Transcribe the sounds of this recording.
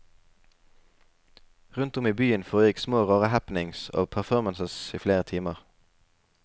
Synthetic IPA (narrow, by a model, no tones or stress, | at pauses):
ʁʉnt̪ʊmiːbyːənfoːjɪksmoːʁoːʁəhæpn̩ɪŋso̰ːpʰæʁfɔʁmənsəsiːfleːʁət̪ʰiːməʁ